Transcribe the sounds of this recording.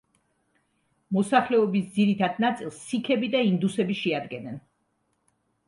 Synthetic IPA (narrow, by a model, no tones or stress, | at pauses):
mɔsaχlɛɔbisd̪ziɾit̪ʰad̪nat̪sʼilˠsːikʰɛbid̪aind̪usɛbiʃɛad̪ɡɛnɛn